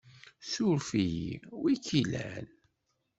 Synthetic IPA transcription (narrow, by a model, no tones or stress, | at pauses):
sʊɾfijḭwikilæn